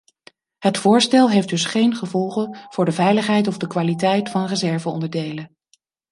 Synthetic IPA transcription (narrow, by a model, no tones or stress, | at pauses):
ɦətfʊːɹstɛlˠɦejfd̥ɵsχejnχəvɔlˠχənv̥ʊːɹdəvɛjləχɦɛjtɔvdəkʋaːlitɛjtfɑnrəzɛɹvəɔ̰ndəɹdejlə